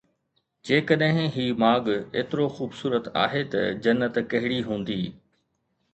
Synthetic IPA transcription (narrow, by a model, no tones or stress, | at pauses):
d͡ʑeːkɐɗɦɪ̃ɦiːmaːɠḛːt̪ɪɾoxuːbsuːɾət̪a̰ːɦet̪ɐ̰d͡ʑɐnːət̪kɐɦɪɽiɦũːnd̪iː